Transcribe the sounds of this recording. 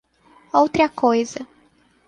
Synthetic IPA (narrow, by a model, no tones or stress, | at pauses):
owt̪ɾɐkojzɐ